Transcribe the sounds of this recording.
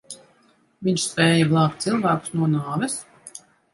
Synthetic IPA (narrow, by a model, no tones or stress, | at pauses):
vʲiɲʲʃspʲɛːjɛblˠɑːkt̪silˠvæːku̥snuɔnaːvɛs